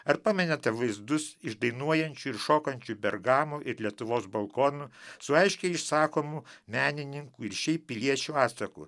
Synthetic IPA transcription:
ɐɾpɑːmʲɛnʲɛt̪ʲɛʋɐɪzd̪ʊsɪʒd̪ɐɪnuɔjɛnʲt͡ʃʲuɪɾʃoːkɐnʲt͡ʃʲubʲɛɾɡɑːmuːʔɪɾlʲiɛt̪ʊʋoːsbɐlˠkoːnʊsʊɐɪʃʲkʲɛɪʃsɑːkoːmʊmʲæːnʲɪnʲɪŋkuːɪɾʃʲɛɪpʲpʲɪlʲiɛt͡ʃʲuɑːt̪sɐkṵ

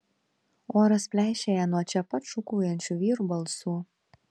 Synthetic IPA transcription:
oːɾɐspʲlʲæˑɪʃʲejɛnuɔt͡ʃʲɛpɐt̪ʃukuːjɛnʲt͡ʃʲuːʋʲiːɾubɐlˠsuː

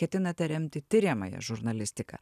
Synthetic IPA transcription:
ɛt̪ʲɪnɐt̪ʲɛɾʲɛmʲt̪ʲɪt̪ʲɪɾʲɛmɐ̰jɛ̰ʒʊɾnɐlʲɪsʲt̪ʲɪkɐ̰ː

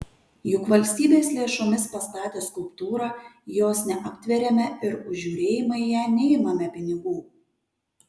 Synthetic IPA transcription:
jʊkʋɐlʲsʲt̪ʲiːbʲeːslʲiɛʃomʲɪspɐst̪ɑːt̪ʲeːskʊlˠpt̪uːɾɑːjoːsnʲɛʔɑːpʲt̪ʲʋʲɛɾʲɛmʲɛɪɾʊʒʒʲuːɾʲeːjɪmɐɪjɛːnʲɛɪmɐmʲɛpʲɪnʲɪɡuː

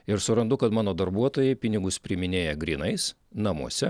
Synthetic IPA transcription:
ɪɾsʊɾɐnd̪ʊkɐt̪mɑːnoːd̪ɐɾbuɔt̪oːjɛɪpʲɪnʲɪɡʊspʲɾʲɪmʲɪnʲeːjɛɡɾʲiːnɐɪs | nɐmuɔsʲɛ

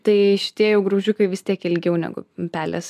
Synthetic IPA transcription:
t̪ɐɪʃʲɪ̥t̪ʲiɛjɛʊɡɾuːʒʲʊkɐɪʋʲɪst̪ʲiɛkɪlʲɡʲɛʊnʲæ̰ɡʊ̰pʲæːlʲɛ̰s

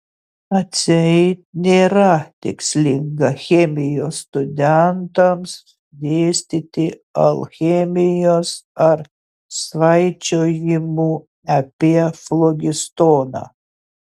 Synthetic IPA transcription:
ɐt̪ʲsʲɛɪt̪nʲeːɾɐt̪ʲɪksʲlʲɪŋɡɐxʲɛmʲɪjoːsːt̪ʊd̪ʲɛnt̪ɐms | d̪ʲeːsʲt̪ʲit̪ʲɪɐ̰lˠxʲɛmʲɪjoːsɐɾ | sʋɐɪt͡ʃʲoːjɪmu | ɐpʲiɛflˠoɡʲɪst̪oːnɑ̰ː

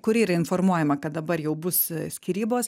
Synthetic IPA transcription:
kʊɾʲiːɾɐɪnfoɾmuɔjɛmɐkɐt̪̚d̪ɐbɐɾjɛʊbʊssʲkʲiːɾʲiːboːs

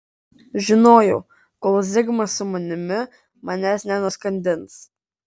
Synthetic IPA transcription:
ʒʲɪnoːjʊ̰ː | koːlˠzʲɪɡmɐsʊmɐnʲɪmʲɪ | mɐnʲɛsnʲɛnʊskɐnʲd̪ʲɪns

